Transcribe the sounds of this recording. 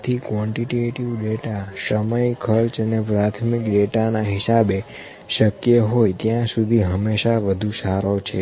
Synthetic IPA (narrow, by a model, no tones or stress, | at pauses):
t̪ʰikʋɔ̃ɳʈiʈeʈiʋɖeʈasəməjkʰəɾt͡ʃənepɾat̪ʰmikɖeʈanaɦɪsabe | ʃəkjəɦojt̪jãsud̪ʱiɦəmːeʃaʋəd̪ʱũsaɾot͡ʃʰe